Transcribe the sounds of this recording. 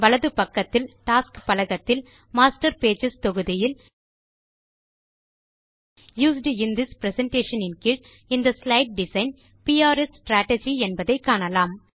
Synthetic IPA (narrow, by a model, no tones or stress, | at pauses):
ʋɐɭɐðɯpɐkːɐt̪ːɪlʈaːskpɐlɐɣɐt̪ːɪl | maːsʈɐɾpeːd͡ʒɪst̪ɔɣɯðɪjɪl | juːs̬ɖɪnd̪ɪspɾɛsɛɳʈeːʂɐnɪnkɪʈ | ɪnd̪ɐslɐɪʈ̚ɖɪsɐɪn | piaːɾɛssʈɾaːʈɐd͡ʒiɛnbɐðɐɪkːaːnɐlaːm